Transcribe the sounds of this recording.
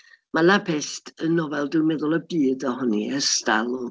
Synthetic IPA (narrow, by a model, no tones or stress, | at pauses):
malapʰɛstʰənɔvɛlˠdɪwmɛðʊlˠəbɨːdɔhʊniəstalˠɔ